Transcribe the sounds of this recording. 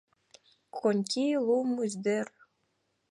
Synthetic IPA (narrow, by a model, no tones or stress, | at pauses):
konʲkʲilˠumuzd̪er